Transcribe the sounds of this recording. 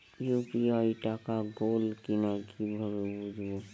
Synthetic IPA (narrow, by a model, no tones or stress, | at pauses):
jupijaiʈakaɡolkinakʰibʱabebud͡ʒbɔ